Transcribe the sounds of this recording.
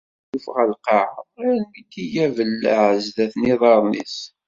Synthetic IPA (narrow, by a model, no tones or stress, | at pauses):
jəfʁælqɑʕəðˤælmit̪ːijævəlːæʕəzðæθniðˤɑɾˤnḭs